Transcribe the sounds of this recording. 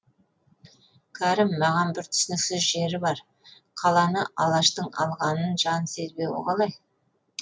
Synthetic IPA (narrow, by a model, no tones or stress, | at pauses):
kʲʰæɾɪmːɑʁɑnbɪɾt̪ʰʏ̥sɪnɪksɪzʒe̞ɾɪbɑɾ | qʰɑlˠɑnəʔɑlˠɑʃt̪əɴɑ̰lˠʁɑnənʒɑnse̞zbe̞wo̰ʁɑlˠɑj